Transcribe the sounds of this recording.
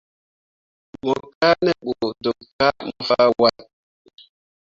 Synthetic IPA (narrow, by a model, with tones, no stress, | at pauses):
mɔ˨ka˦nɛ˨ɓo˨do˨ka˦mɔ˨fa˦wa˦t